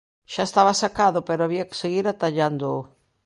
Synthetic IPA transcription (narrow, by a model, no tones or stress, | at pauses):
ʃaest̪aβasakaðʊpeɾoaβiake̥seɣiɾat̪aʎand̪ʊ